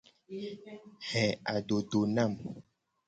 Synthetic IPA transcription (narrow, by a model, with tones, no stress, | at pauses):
hɛ̃˨a˨ɖo˨ɖo˨na˦˨m